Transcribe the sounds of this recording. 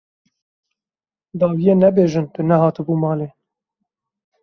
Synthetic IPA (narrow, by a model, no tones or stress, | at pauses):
d̪ɑːwijeːnɛbeːʒɨnt̪ɨnɛhɑːt̪ɨbuːmɑːleː